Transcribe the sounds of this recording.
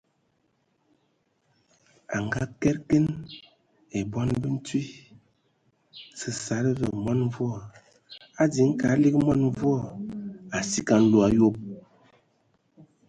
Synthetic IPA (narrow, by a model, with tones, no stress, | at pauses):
a̰˨ŋɡa˦kɛ˦ɾke˦n | e˨bɔ˦nbə˦n̩˦twi˦ | sə˨sa˨ɾə˦bə˨mɔ˦n˦vwɔ˦˨ | a˦di˨˦ŋ̩˦ka˨˦li˦kmɔ˦nɱ˦vu˦ɔ˦˨a˨si˦ka˨n̩˦lo˦˨a˦jo˦p̚